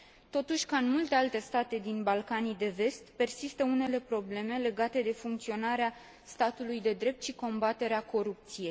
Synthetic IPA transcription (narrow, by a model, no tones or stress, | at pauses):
t̪o̞t̪uʃʲkaɨnmult̪e̞alt̪e̞st̪at̪e̞d̪inbalkanijd̪e̞ve̞st̪pe̞rsist̪əune̞le̞pɾo̞ble̞me̞le̞ɡat̪e̞d̪e̞fuŋkt̪sio̞naɾea | st̪at̪ulujd̪e̞d̪ɾe̞p̚t̪ʃiko̞mbat̪e̞ɾeako̞ɾup̚t̪sije̞j